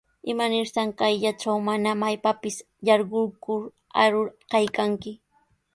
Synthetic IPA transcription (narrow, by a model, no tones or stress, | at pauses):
ɪmanɪɾt̪aŋkajʎat͡ʃawmanamajpapɪs | jɑɾɢʊɾkʊɾ | a̰ɾʊɾkajkaŋkɪ